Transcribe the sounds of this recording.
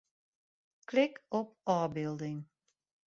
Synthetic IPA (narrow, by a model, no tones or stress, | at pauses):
klɪkɔp̚ɑːbɪlˠdɪŋ